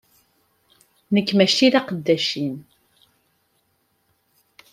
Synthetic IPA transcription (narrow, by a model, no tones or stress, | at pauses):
nəkːmæʃt̪iðaqəd̪ːæʃin